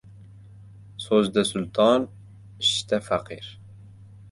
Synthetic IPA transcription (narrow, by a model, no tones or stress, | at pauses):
sozd̪æsʊlt̪ɑːn | ʃt̪æfæqiːɾ